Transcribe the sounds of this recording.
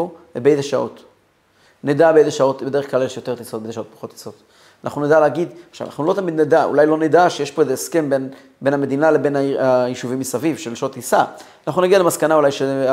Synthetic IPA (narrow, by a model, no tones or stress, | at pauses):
oebeezeʃao̞̰t̪ | ned̪abeezeʃao̞t̪bedeeχklalezʃjo̞t̪e̞ʁt̪isot̪̚bezʃaot̪̚pḁχo̞t̪ːi̥so̞t | ana̰χnuned̪aleːɡid̪χʃa̰v̰na̰χnulo̞t̪amid̪ned̪aṵlajloned̪aʃejeʃpo̞ezeːske̞mben | be̞nhame̞d̪inale̞be̞naajiʃuvimisavivʃelʃot̪isaanaχnunaɡialemaskanaulajʃe